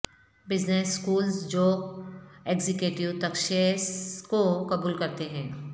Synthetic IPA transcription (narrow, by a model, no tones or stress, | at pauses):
bɪd͡ʒnesːkuːlzd͡ʒoː | eːɡzɪkjuːʈɪwt̪ɐkʃeskokɐbuːlkɐɾt̪eɦɛ̃ː